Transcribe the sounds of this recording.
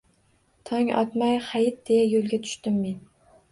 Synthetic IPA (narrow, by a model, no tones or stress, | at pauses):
t̪ʰɒŋʲɒ̰t̪majχajɪt̪̚d̪̥e̞jajolˠɡʲat̪ʰʊ̥ʃt̪ɪmːen